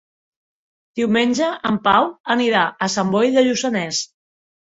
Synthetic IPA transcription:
d̪̥iwmenʲʒəʔəmpawəniɾaʔəsambɔjðəʎusənɛs

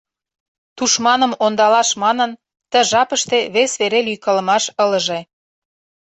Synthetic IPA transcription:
t̪uʃmɑnə̆mond̪ɑlɑʃmɑnə̆n | t̪əʒɑpəʃt̪eβesβeɾelyjkɑlə̆mɑʃə̆lə̆ʒe

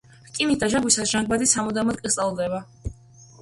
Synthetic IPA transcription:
kʼimit̪̚d̪aʒaŋɡwisasʒ̥aŋɡbad̪isamɔd̪amɔt̪̚kʼit̪sʼalˠd̪ɛba

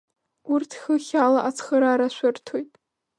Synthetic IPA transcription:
urtʰχʲəχʲalaʔat͡sʰχəɾaɾaʃʷʊrtʰojtʼ

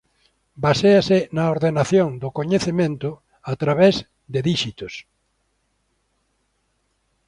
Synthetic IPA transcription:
baseasɪnaoɾðenaθjõŋd̪ʊkoɲeθemẽnt̪ʊ | at̪ɾaβez | d̪ɪðiʃit̪ʊs

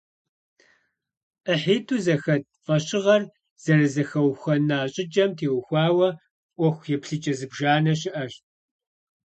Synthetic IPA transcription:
ʔəħiːtʰʼuːzɐxɐt̚ | fʼɐɕʼɪʁɐr | z̥ɐrɨzɐxɐwxʷɐnaːɕʼɪd͡ʒʼɐmtʰeːwxʷɑːwɐ | ʔʷɔxʷjɛpɬɨt͡ʃʼɐzɨbʒaːnɐɕɪʔɐɕt

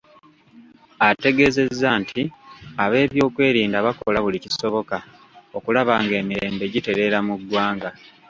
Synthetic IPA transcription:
ate̞ɡe̞ze̞zːaːntʰiaβe̞ːβjo̞ːkwe̞ːɾiːndaβako̞̰laβuliciso̞βo̞ka | o̞kulaβaŋɡe̞ːmiɾe̞ːmbe̞ɟite̞ɾe̞ɾamuɡwaːŋɡa

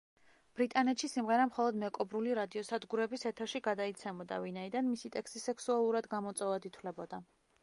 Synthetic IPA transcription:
b̥ɾit̪ʼanɛt̪ʃisimʁɛɾamχɔlˠɔd̪mɛkʼɔbɾuliɾad̪iɔsad̪ɡuɾɛbisɛt̪ʰɛɾʃiɡad̪ait̪sʰɛmɔd̪a̰vinaid̪anmisit̪ʼɛkst̪ʼisɛksualˠuɾad̪ɡamɔt̪sʼɔvad̪it̪ʰwlɛbɔd̪a

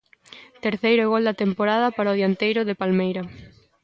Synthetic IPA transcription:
t̪eɾθejɾʊɣold̪ɐt̪empoɾaðɐpaɾoðjant̪ejɾʊðepalmejɾɐ

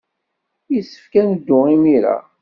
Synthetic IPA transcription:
jisːə̥fkænəd̪ːʊimiɾa̰

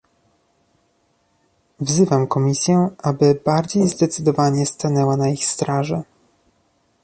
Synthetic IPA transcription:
vzɘvamkɔmʲisʲjɛʔabɘbaɾd͡ʑejzd̪ɛt̪sɘd̪ɔvaɲɛst̪anɛwanaixst̪ɾaʐɛ

